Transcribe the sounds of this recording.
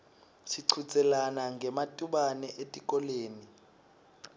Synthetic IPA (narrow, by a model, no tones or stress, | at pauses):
siǀʰut͡sʼɛlanaŋɡʱɛmatʼuɓanɛʔetʼikʼɔleːni